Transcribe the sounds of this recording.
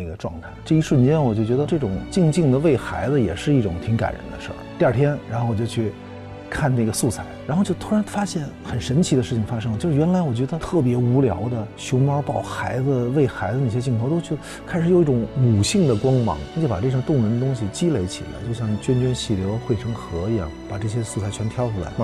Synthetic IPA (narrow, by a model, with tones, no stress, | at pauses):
ɡə˩ʈ͡ʂwɑ̰˥˧ŋt̪ʰa˥˩ɪʈ͡ʂɤ˥˩i˧˥ʂwə˥˧nt͡ɕjɛ˥nwɔ˨˩t͡ɕo˥˩t͡ɕɥɛ˧˥d̪ə˧ʈ͡ʂɤ˥˩ʈ͡ʂʊ̰˨˩˦ŋt͡ɕi˥˧ŋt͡ɕi˥˩ŋd̪ə˩ʋe˥˩ɪxa˧˥ɪd͡zə˧jɛ̰˨˩ʂɻ̩˥˧i˥˩ʈ͡ʂʊ˨˩ŋt̪ʰi˧˥ŋka̰˨˩nɻə̰˧˥nd̪ə̰˧ʂə̰˞˥˩i˥˧a˞˥˩t̪ʰjɛ˥nɻa˧˥nxo˥˩˧wɔ˨˩t͡ɕʊ˩t͡ɕʰy˥˩ | kʰa˥˧nna˥˩ɡə˩su˥˩t͡sʰa˨˩˦ɪɻxʊt͡ɕjo˥˩ʊt̪ʰu˥ɻa˧˥nfa˥ɕjɛ˥˩nxə˨˩nʂə˧˥nt͡ɕʰi˧˥d̪ə˧ʂɻ̩˥˩t͡ɕʰi˩ŋfa˥ʂɤ˥ŋə˧t͡ɕo˥˧ʊʂɻ̩˥ɥɛ˧˥nla˧˥ɪwɔ˨˩t͡ɕɥɛ˧˥d̪ə˧t̪ʰɤ˥˩pjɛ˧˥u˧˥ljɑ̰˧˥ʊd̪ə˧ɕjʊ˧˥ŋmɑ˥pɑ˥˩ʊxa˧˥ɪd͡zə˧we˥˩ɪxa˧˥ɪd͡zə˧ne˥˩ɕ̬jɛ˥t͡ɕi˥˧ŋk̪ʰt̪o˥ʊt͡ɕʰ | kʰɪʂɻ̩˧˥jo˨˩ʊi˥˩ʈ͡ʂʊ˧˥ŋu˨˩ɕi˥˩ŋd̪ə˩kwɑ˥ŋmɑ̰˧˥ŋa˧t͡ɕo˥˩ʊpa˨˩e˥˧˩ɕŋt̪ʊ˥˩ŋɻə˧˥nd̪ə˧t̪ʊ˥ŋɕi˨t͡ɕi˥le˧˥ɪt͡ɕʰḭ˨˩la̰˧˥ɪt͡ɕjo˥˧ʊɕjɑ˥˩ŋt͡ɕɥɛ˥nt͡ɕɥɛ˥nɕi˥˩ljo˧˥˧xwe˥ɪʈ͡ʂʰɤ˥ŋxɤ˧˥i˧jɑ̰˥˩ŋpa˨˩ʈ͡ʂɤ˥˩ɕ̬jɛ˥su˥˩t͡sʰa˥˩ɪt͡ɕʰɥɛ˧˥nt̪ʰjɑ˥ʊʈ͡ʂʰu˥la̰˧˥ɪ˥